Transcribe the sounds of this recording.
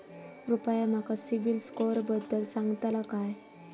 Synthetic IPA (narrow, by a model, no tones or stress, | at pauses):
ɾupajam̤akasibilskoɾbəd̪ːəlsãŋɡt̪alakaj